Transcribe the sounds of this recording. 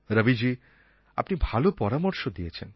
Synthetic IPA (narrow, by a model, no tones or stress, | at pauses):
ɾəbid͡ʑi | a̰pnibʱalopɔɾamɔɾʃod̪ijet͡ɕʰen